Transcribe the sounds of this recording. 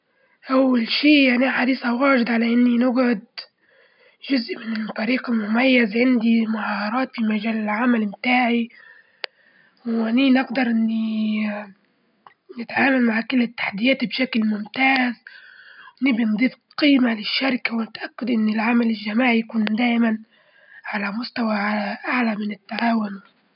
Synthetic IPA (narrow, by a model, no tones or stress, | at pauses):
ʔawːalʃiːjaniaħaɾiːsawaːʒɪd̪ʕalaʔɪnːinɪɡʕʊd̪ | ʒʊzʔmɪnɪlfæɾiːqɪlmʊmajːazʕɪnd̪imʊʕɑːɑɾˤɑːt̪fimaʒaːlɪlʕamalmt̪aːʕi | wʔaninɪɡd̪ɑɾˤʔɪnːi | nɪt̪ʕaːmalmaʕkʊlːɪt̪ːḁħad̪ɪjæːt̪bʃaklmʊmt̪aːz | nɪbind̪ˤiːf | qiːmalɪʃːaɾɪkawɪnɪt̪ʔakːʊd̪ʔɪnːɪlʕamalɪlːamaːʕjakuːnd̪æːʔman | ʕalæmʊst̪awaʕaʔaʕlamɪnɪt̪ːaʕaːwʊn